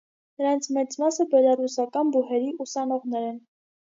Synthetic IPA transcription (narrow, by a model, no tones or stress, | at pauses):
nəɾɑnt͡sʰmɛt͡smɑsəbɛlɑrusɑkɑnbuɦɛɾiusɑnɔʁnɛɾɛn